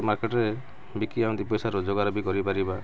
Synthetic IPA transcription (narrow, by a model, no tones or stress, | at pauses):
maɾkeʈɾe | bikiaw̃d̪ipɔjsaɾɔd͡ʒoɡaɾɔbikɔɾipaɾiba